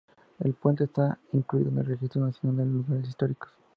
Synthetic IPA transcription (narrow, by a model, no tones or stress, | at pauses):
ḛlpwe̞nt̪est̪aiŋkluḭðoenelrexist̪ɾonasjo̞nald̪eloluɣaɾes̬ist̪o̞ɾiko̥s